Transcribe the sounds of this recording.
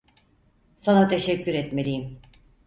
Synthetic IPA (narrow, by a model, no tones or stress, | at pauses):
sanat̪ʰe̞ʃɛcːyɾɛt̪me̞lʲijim